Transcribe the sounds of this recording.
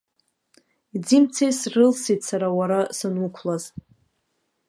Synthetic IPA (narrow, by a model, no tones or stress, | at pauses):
id͡zimt͡sʰejsrɨlsidsaɾawaɾasɨnukʷʰlaz